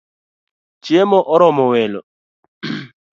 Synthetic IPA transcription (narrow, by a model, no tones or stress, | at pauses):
t͡ʃiemɔʔɔɾɔmɔwɛlɔ̰